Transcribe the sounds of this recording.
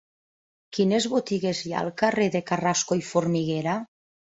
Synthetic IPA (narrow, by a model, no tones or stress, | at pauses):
kinezβot̪iɣezja̰lˠkareðekaraskoifoɾmiɣeɾa